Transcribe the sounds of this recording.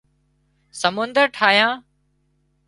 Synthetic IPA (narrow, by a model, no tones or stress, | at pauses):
səmʊnd̪əɾʈʰaːjãː